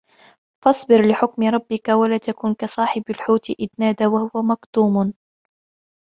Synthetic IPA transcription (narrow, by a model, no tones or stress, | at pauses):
fɑsˤbɪɾlɪħʊkmɪɾˤɑbːɪkawalaːt̪akuːnkasˤɑːħɪbalħuːt̪ʔɪd̪naːd̪awahʊwamakt̪uːm